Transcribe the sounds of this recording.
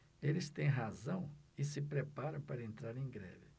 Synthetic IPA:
elɪst̪ẽj̃ɦazɐ̃w̃ɪsɪpɾepaɾɐ̃w̃paɾɐẽnt̪ɾaɾẽj̃ɡɾɛ̰vɪ

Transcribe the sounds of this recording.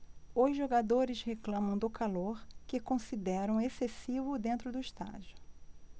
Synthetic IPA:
ʊzʒoɡad̪oɾɪsheklɐ̃mɐ̃w̃d̪ʊkaloɾkɪkõsid̪ɛɾɐ̃w̃esesivʊd̪ẽnt̪ɾʊd̪ʊist̪a̰d͡ʒʊ

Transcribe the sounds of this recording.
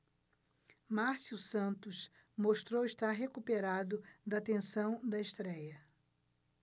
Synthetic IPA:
maɾsusɐ̃nt̪ʊs | moʃt̪ɾowiʃt̪aɾɦekupeɾad̪ʊd̪ɐt̪ẽsɐ̃w̃d̪ɐeʃt̪ɾɛjɐ

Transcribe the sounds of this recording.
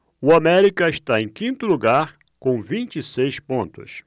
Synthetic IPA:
ʊamɛɾikɐɪʃt̪aẽj̃kĩnt̪ʊluɡaɾ | kõw̃vĩnt͡ʃisejspõnt̪ʊ̰s

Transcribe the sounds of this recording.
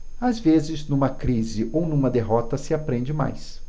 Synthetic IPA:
azvezɪznũmɐkɾizɪʔownũmɐd̪eɦɔt̪ɐsɪapɾẽnd͡ʒɪma̰js

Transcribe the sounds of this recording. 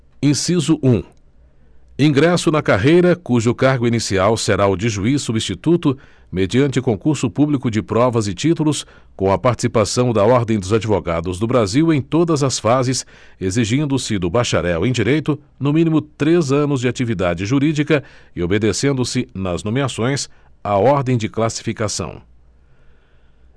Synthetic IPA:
ĩsizʊʔũ | ĩɡɾɛsʊnɐkaɦejɾɐkuʒʊkaɾɡʊinisiawseɾaʊd͡ʒɪʒuisːubĩst͡ʃit̪ut̪ʊ | med͡ʒiɐ̃nt͡ʃɪkõkuɾsʊpublikʊd͡ʒɪpɾɔvɐzɪt͡ʃit̪ulʊs | kõw̃ɐpaɾt͡ʃi̥sipasɐ̃w̃d̪ɐɔɾd̪ẽj̃d̪ʊzad͡ʒivoɡa̰d̪ʊzd̪ʊbɾaziwẽj̃t̪od̪ɐzɐsfazɪs | eziʒĩnd̪ʊsɪd̪ʊbaʃa̰ɾɛwẽj̃d͡ʒiɾejt̪ʊ | nʊmĩnimʊt̪ɾezɐ̃nʊzd͡ʒɪat͡ʃivid̪ad͡ʒɪʒuɾid͡ʒikɐɪobed̪esẽnd̪ʊsɪnɐznõmeasõj̃saɔɾd̪ẽj̃d͡ʒɪklasi̥fikasɐ̰̃w̃

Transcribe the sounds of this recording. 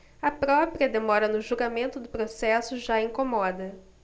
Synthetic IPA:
ɐpɾɔpɾiɐd̪emɔɾɐnʊʒuɾɡamẽnt̪ʊd̪ʊpɾosɛsʊʒaĩŋkomɔd̪ɐ

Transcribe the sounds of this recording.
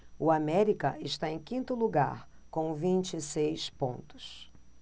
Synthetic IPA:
ʊamɛɾikɐɪʃt̪aẽj̃kĩnt̪ʊluɡa̰ɾkõw̃vĩnt͡ʃisejspõ̰nt̪ʊ̥s

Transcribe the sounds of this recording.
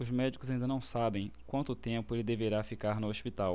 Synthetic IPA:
ʊzmɛd͡ʒikʊzaĩnd̪ɐnɐ̃w̃sabẽj̃kwɐ̃nt̪ʊt̪ẽmpʊelɪd̪eveɾafikaɾnʊoʃpit̪aw

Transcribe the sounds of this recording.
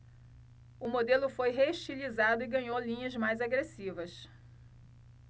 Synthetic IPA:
ʊmod̪elʊfojɦeuʃt͡ʃilizad̪ʊɪɡɐ̃ɲowlĩɲɐzmajzaɡɾesivɐs

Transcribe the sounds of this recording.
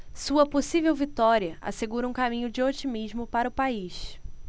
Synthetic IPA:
suɐposivewvit̪ɔɾiɐʔa̰seɡuɾɐũkamĩɲʊd͡ʒɪot͡ʃimiʒmʊpaɾɐʊpaiʃ

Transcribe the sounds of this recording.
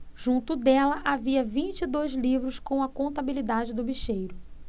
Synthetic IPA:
ʒ̥ũnt̪ʊd̪ɛlɐʔaviɐvĩt͡ʃɪd̪ojzlivɾʊskõw̃ɐkõnt̪abilid̪ad͡ʒɪd̪ʊbiʃejɾʊ

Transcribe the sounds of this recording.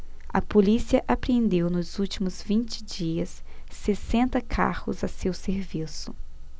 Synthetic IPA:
ɐ̰polisiɐʔapɾẽnd̪ewnʊzuwt͡ʃimʊzvĩnt͡ʃɪ̥d͡ʒiɐsːesẽnt̪ɐkʰa̰hʊ̰zɐsewseɾvisʊ

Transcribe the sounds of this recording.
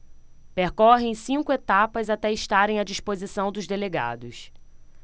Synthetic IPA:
peɾkɔɦẽj̃sĩŋkʊet̪apɐzat̪ɛiʃt̪aɾẽj̃ad͡ʒispozisɐ̃w̃d̪ʊzd̪eleɡa̰d̪ʊs

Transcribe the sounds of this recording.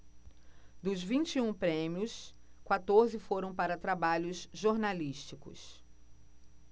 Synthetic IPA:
d̪ʊzvĩnt͡ʃiũpɾẽmiʊskwat̪oɾzɪfoɾɐ̃w̃paɾɐt̪ɾabaʎʊzʒoɾnaliʃt͡ʃikʊ̰s

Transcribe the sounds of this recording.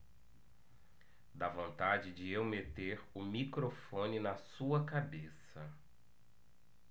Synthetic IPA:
d̪avõnt̪ad͡ʒɪd͡ʒɪewmet̪eɾʊmikɾofõnɪnɐsuɐkabesɐ

